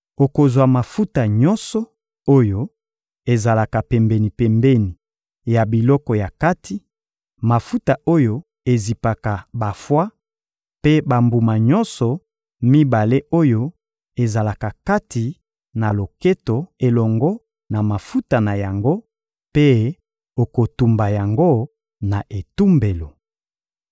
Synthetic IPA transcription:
o˨ko˨zwa˨ma˨fu˦ta˨ɲɔ̃˦nsɔ˨ | o˦jo˦ | e˨za˨la˨ka˨pɛ˨mbɛ˨ni˨pɛ˨mbe˦ni˨ | ja˨bi˨lɔ˦kɔ˨ja˨ka˦tʰi˦ | ma˨fu˦ta˨ʔo˦jo˦ | e˨zi˨pa˨ka˨ba˨fwa˦ | pe˦ba˨mbu˨ma˨ɲɔ˦nsɔ˨ | mi˦ba˨le˦o˦jo˦ | e˨za˨la˨ka˨ka˦ti˨ | na˨lo˨ke˦to˨e˨lɔ˨ŋɡɔ˦ | na˨ma˨fu˦ta˨na˨ja˨ŋɡo˦ | pe˦ | o˨ko˨tu˨mba˨ja˨ŋɡo˦ | na˨ʔe˨tu˦mbe˨lo˨

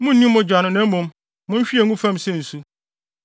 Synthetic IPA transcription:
mʊ̃˦n̩˦nĩ˦m˦mʊ̃˦d͡ʑᶣa˨nʊ̃˦nɛ̃˨˦mʊ̃˦m | mʊ̃˦n˦ɕᶣi˦e˨ŋũ˦fã˦msɛ˦n̩˨su˦

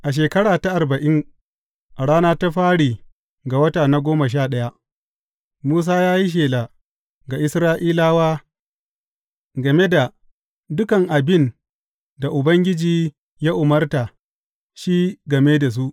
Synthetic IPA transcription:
ʔa˨ʃ̬eː˨kɐ˦ɽaː˨ta˦ʔa˨rbɐ˨ʔɪ˦ŋ | ʔa˨ɽaː˦naː˦ta˦ɸaː˦ɽiː˨ | ɡa˨wɐ˦taː˨na˦ɡʷoː˦ma˨ʃ̬aː˦˨ɗɐ˦ja˦ | muː˦s̬aː˦jaː˦ji˦ʃ̬eː˨la˨ | ɡa˨ʔɪ˦sɾaː˦ʔiː˦laː˦waː˦ | ɡɐ˨me˦da˨ | dʊ˦kɐ˨ŋʔa˨bɪ˦˨n | da˨ʔʊ˨bɐ˦ŋɡʲɪ˦d͡ʒiː˨ | jaː˦ʔʊ˨mɐ˦rta˨ | ʃiː˦ɡɐ˨meː˦da˨s̬u˦ʔ

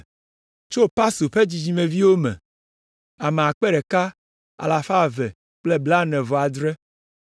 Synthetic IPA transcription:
t͡ʃo˦pa˦su˨ɸe˦d͡ʑi˨d͡ʑi˨mɛ̃˨vi˦wo˦mɛ̰̃˨ | a˨me˨a˨k͡pɛ˦ɖɛ˨ka˦ | a̰˨la˨fa˦˨vɛ˨ | k͡plɛ˦bla˦nɛ̃˨vɔ˨a˨d̪ɾɛ˦

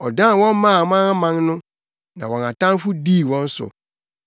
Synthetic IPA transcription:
ɔ˨dã˦˨wɔ̃˦m˦mã˦˨m˦ã˦a˦mã˨nnʊ̃˦ | nã˨wɔ̃˨na˨tã˦n˦fʊ˦di˦˨wɔ̃˦n̩˦sʊ̰˨

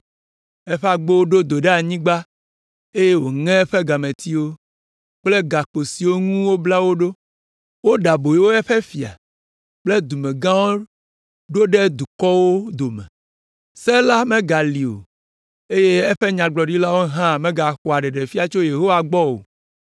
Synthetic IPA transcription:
ɛ˦ɸe˦a˨ɡ͡bo˦wo˦ɖo˦d̪o˨ɖe˦a˨ɲĩ˦ɡ͡ba˦ | e˦je˦wo˨ŋɛ̃˦ɛ˦ɸe˦ɡa˨mẽ˨t̪i˦wo˦ | k͡ple˦ɡa˨k͡po˨si˨wo˦ŋũ˦wo˦bla˦wo˦ɖo˦ | wo˦ɖa˨bo˨je˦wo˦ɛ˦ɸɛ˦fi˨a̰˨ | k͡ple˦d̪u˨mẽ˨ɡã˦wo˦ | ɖo˦ɖe˦d̪u˨kɔ˦wo˦d̪o˨mɛ̰˨ | sɛ˦la˦mẽ˦ɡa˨li˨o̰˨ | e˦je˦ɛ˦ɸe˦ɲã˨ɡ͡blɔ˨ɖi˦la˦wo˦ɦã˦˨mẽ˦ɡa˨xo˨a˨ɖe˨ɖe˨fi˦a˨t͡ʃo˦je˨ɦo˦wa˨ɡ͡bɔ˦wo̰˨

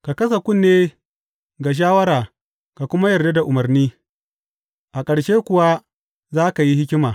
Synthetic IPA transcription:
ka˨kɐ˦s̬a˨kʷʊ˦˨nːeː˦ | ɡa˨ʃ̬aː˦wɐ˦ɾaː˨ | ka˨kʷʊ˦ma˦jɐ˨rda˦da˨ʔʊ˨mɐ˨rniː˦ | ʔa˨kʼɐ˨ɽʃeː˦kʷʊ˨wa˦ | zaː˦ka˨ji˦hɪ˦kʲɪ˦maː˨

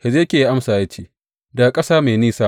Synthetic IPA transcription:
he˨zeː˦kʲeː˨ji˦ʔa˦msaː˨ja˦t͡ʃiː˦ | da˨kʼɐ˦saː˦meː˨niː˦saː˦

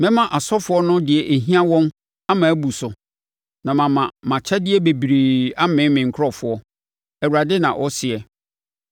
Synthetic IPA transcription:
mɪ̃˦mã˨ʔa˨sɔ˦fʊ˨˦ɔ˦nʊ̃˦dɪ˨ɛ˨ʔæ˨ɦĩ˦ã˦wɔ̃˦n | a˦mã˨æ˦bu˨sʊ˨ | nã˨mã˨mã˨mã˨t͡ɕʰɛ˦dɪ˦ɛ˦be˨bi˨ɾi˨a˦mɪ̃˦mɪ̃˨ŋ̩˨kʰɾɔ˦fʊ˨˦ɔ˦ | ɛ˨wu˨ɾa˨dɪ˦nã˨ʔɔ˦sɪ˨ɛ˨

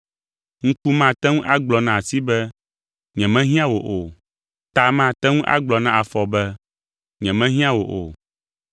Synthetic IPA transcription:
ŋ̩̃˦ku˦mã˦˨t̪ɛ˦ŋũ˦ʔa˦ɡ͡blɔ˨nã˨si˦bɛ˦ | ɲɛ̃˨mɛ̃˦ɦĩ˦ã˦wo˨ʔo˨ | t̪a˨mã˦˨t̪ɛ˦ŋũ˦ʔa̰˦ɡ͡blɔ˨nã˦ʔa˨fɔ˨bɛ˦ | ɲɛ̃˨mɛ̃˦ɦĩ˦ã˦wo˨ʔo̰˨

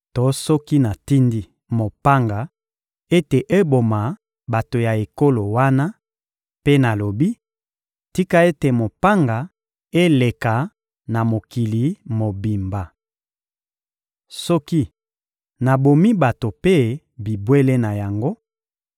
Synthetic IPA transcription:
tɔ˨˦sɔ˦ki˦na˨ti˦ndi˦ | mo˨pa˦ŋɡa˨ | e˦te˨ʔe˦bo˨ma˨ | ba˨to˨ja˨e˨ko˦lo˨wa˦na˦ | pe˦na˨lo˨bi˦ | ti˦ka˦e˦te˨mo˨pa˦ŋɡa˨ | e˦le˨ka˨ | na˨mo˨ki˨li˨˦mo˨bi˨mba˨ | sɔ˦ki˦ | na˨bo˨mi˦ba˨to˨pe˦ | bi˨bwe˦le˦na˨ja˨ŋɡo˦

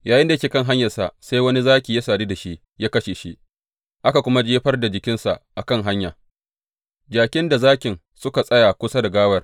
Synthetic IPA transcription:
jaː˨jɪ˦nda˨jkʲeː˨kɐ˦˨ŋɦa˦ɲjɐ˨rsa̰˨sa˦jwɐ˦ni˦zaː˦kʲiː˨ja˦saː˨diː˦da˨ʃi˦ʔ | jaː˦kɐ˦ʃe˨ʃi˦ʔ | ʔa˦ka˨kʷʊ˦ma˦d͡ʒeː˦ɸɐ˦rda˨d͡ʒɪ˨kʲɪ˦nsa̰˨ʔʔa˨kɐ˦ŋɦa˦ɲja˨ | d͡ʒaː˨kʲɪ˦nda˨zaː˦kʲɪ˨n | sʊ˦ka˨sʼɐ˦ja˨kʷʊ˦sa˦da˨ɡaː˦wɐ˦r

